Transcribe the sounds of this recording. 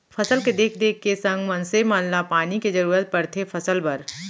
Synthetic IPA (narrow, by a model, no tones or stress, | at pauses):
pʰɐsəlked̪eːk̚ʰd̪eːkʰːesə̃ŋɡmɐnsemanlapaːniked͡ʒɐɾuːɾət̪̚pɐɾt̪ʰepʰɐsəlbɐɾ